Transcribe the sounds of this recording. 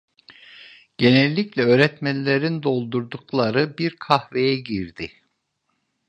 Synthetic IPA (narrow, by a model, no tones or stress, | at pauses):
ɟ̥e̞nɛlʲːiclʲɛøːɾɛt̪mænlʲeɾind̪o̞lˠd̪uɾd̪uklˠaɾɯbiɾkʰahve̞jɛɟiɾd̪ɪ